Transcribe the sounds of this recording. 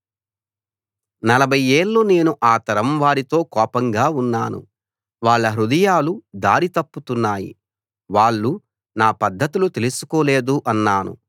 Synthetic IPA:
nɐlɐbʱɐjeːɭːone̞ːnuʔaːt̪ɐɾɐmʋaːɾit̪o̞ːkɔːpɐŋɡaːunːaːnṵ | ʋaːɭːɐɦɾud̪ɐjaːlud̪aːɾit̪ɐpːut̪unːaːjḭ | ʋaːɭːu | naːpɐd̪ʱːɐt̪ilut̪elusu̥koːle̞ːd̪uʔɐnːaːnṵ

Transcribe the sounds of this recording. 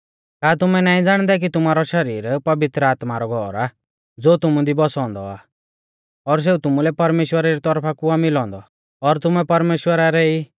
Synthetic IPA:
kaːt̪ʊmɛnaːĩd͡zaːɽ̃d̪ak̬it̪ʊmaːɾɔʃɐɾiːɾpɐʋɪt̪ɾəaːt̪maɾɔɡʱɔːɾa | d͡zoːt̪ʊmũd̪ʱibɔsɔ̃ːnd̪ɔ̰a̰ | ɔɾs̬eut̪ʊmulɛpɐɾmeːʃwəɾaɾit̪ɔɾpʰakuamɪlɔ̃ːnd̪ɔ̰ | ɔɾt̪ʊmɛpɐɾmeːʃwəɾaɾɛi

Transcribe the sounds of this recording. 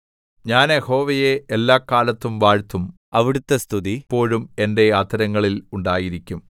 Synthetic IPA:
ɲaːneho̞ːʋɐjeelːaːkaːlɐt̪ːumʋaːɻt̪ːum | ɐʋiɽut̪ːɐst̪ʰuðipːo̞ːɻume̞nde̞ɐt̪ːɐɾɐŋːɐɭiluɳɖaːjiɾikʲːum

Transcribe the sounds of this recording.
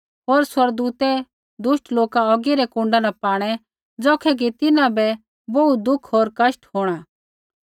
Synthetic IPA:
ɦoːɾswɐɾɡ̚d̪uːt̪ɛ | d̪ʊʃʈloːkaɔːɡiɾɛkũːɳɖanapaːɽ̃ɛ | d͡zɔːkʰɛɡ̬it̪ɪnãbɛ | boud̪ʊkʰɦoːɾkɐsʈɦoːɽ̃aː

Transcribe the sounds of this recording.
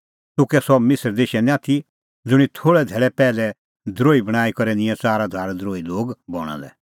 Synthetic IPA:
t̪ʊkɛsɔmɪsəɾd̪eːʃɛnɛ̃aːt̪ʰi | d͡zʊɽ̃it̪ʰoːɭɛd̪ʱɛːɭɛpɛːlɛ | d̪ʱɾoːibɐɽ̃aːikɔɾɛnɪ̃jɛ̃t͡saːɾad̪ʱaːɾd̪ɾoːiloːɡbɔɽ̃a̰lɛ̰

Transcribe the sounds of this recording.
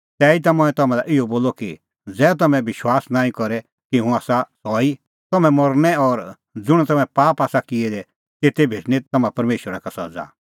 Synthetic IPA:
t̪ɛːit̪amʊ̃ɛ̃t̪ɐmãlaʔɪoboːloki | d͡zɛːt̪̬ɐmɛ̃bɪʃwaːsnãːĩkɔɾɛ | kiɦũaːsasɔːi | t̪ɐmɛ̃mɔɾnɛɔɾ | d͡zʊɽ̃ɛt̪ɐmɛ̃paːpaːsakɪɛd̪ɛ | t̪eːt̪ʰebʱeːʈñit̪ɐmãpɐɾmeːʃəɾakasɐ̰d͡za̰ː

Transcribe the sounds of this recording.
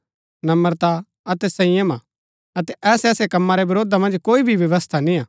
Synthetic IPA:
nɐməɾt̪a | ɐt̪ɛsɐɪ̃jəma | ɐt̪ɛʔɛːsɛːsekɐmːaɾɛbɐɾoːd̪amɐ̃nd͡ʒkoːibʱiʋjɐʋəst̪ʰanĩaː

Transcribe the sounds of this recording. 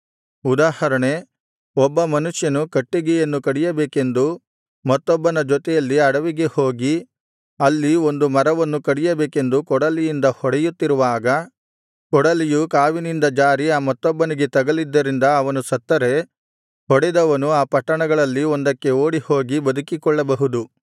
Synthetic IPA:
ud̪aːhɐɾɐɳe̞ | ɔbːɐmɐnuʂjɐnukɐʈːiɡɛjɐnːukɐɽɛjɐbeːke̞nd̪u | mɐt̪ːɔbːɐnɐd͡ʒɔt̪ɛjɐlːiɐɽɐʋiɡe̞hoːɡi | ɐlːiond̪umɐɾɐʋɐnːukɐɽijɐbeːke̞nd̪ukɔɽɐlijind̪ɐhɔɽɛjut̪ːiɾuʋaːɡɐ | kɔɽɐlijukaːʋinind̪ɐd͡ʒaːɾiaːmɐt̪ːɔbːɐniɡe̞t̪ɐɡɐlid̪ːɐɾind̪ɐːʋɐnusɐt̪ːɐɾe̞ | hɔɽɛd̪ɐʋɐnuaːpɐʈːɐɳɐɡɐɭɐlːiɔnd̪ɐkːe̞oːɽiho̞ːɡibɐd̪ukikɔɭːɐbɐɦud̪u

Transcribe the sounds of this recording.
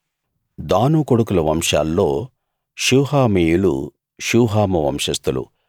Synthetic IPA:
d̪aːnuːkoɽukulɐʋɐmʂa̰ːlːo̞ː | ʃuːhaːmiːjulṵ | ʃuːɦaːmɐʋɐ̰mʂɐst̪ulṵ

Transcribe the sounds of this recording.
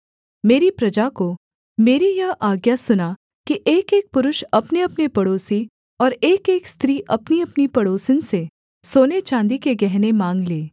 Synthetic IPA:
meːɾipɾɐd͡ʒako | meːɾijɐɦʔaːɡjasʊna | kiʔeːkeːk̚pʊɾʊʃɐpneɐpnepɐɽoːsi | ɔːɾeːkeːkst̪ɾiːʔɐpniɐpnipɐɽoːsɪnse | soːnet͡ʃãːnd̪ikeɡɛɦnemãːŋɡleː

